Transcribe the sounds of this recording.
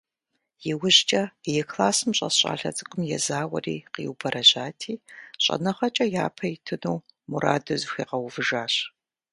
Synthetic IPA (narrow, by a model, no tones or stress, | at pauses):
jɪwʊʑt͡ʃʼɐjɛkʰlaːsɨmɕʼɐ̰ɕʼa̰ːɬɐ̰t͡sʼɨkʷʼʊmjɛzaːwɐ̰rḭːqḭːwbʰɐɾʔɐʑaːtʰiːɕʼɐ̰nɐχɐt͡ʃʼɐjaːpʰɐjɪtʰɨnuwmuɾa̰ːdɐzxʷiːqɐwvɨʒaːɕ